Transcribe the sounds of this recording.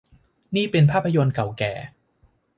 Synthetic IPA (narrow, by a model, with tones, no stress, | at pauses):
niː˥˩pe˧npʰaː˥˩pʰːa˧jo˧nka˨˩wkɛ̰ː˨˩